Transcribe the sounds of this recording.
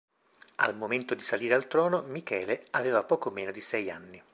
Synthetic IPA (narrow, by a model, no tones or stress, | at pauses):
a̰lmoment̪od̪isaliːɾealt̪ɾɔːnomikɛːleaveːvapɔːkomeːnod̪isɛja̰nːi